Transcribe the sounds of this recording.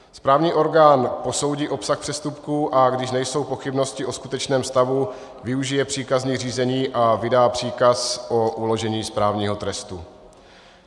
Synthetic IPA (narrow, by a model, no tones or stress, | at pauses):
spɾaːvɲiːʔo̞ɾɡaːnpo̞so̞wɟiːʔo̞psaxpr̥ɛst̪upkuːʔaɡdɪʃnɛjso̞wpo̞xɪbno̞scɪʔo̞skut̪ɛt͡ʃnɛːmst̪avu | vɪuʒɪjɛpr̝̥iːkazɲiːr̝iːzɛɲiːʔavɪdaːpr̥iːkasʔo̞ʔulo̞ʒɛɲiːspɾaːvɲiːɦo̞t̪ɾɛst̪u